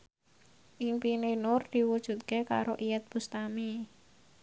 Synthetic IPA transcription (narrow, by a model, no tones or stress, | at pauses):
ʔiŋpinenʊrd̪̥i̤wud̥ʒ̥ṳt̪̚keka̰ɾoʔijɛt̪̚b̥ust̪ami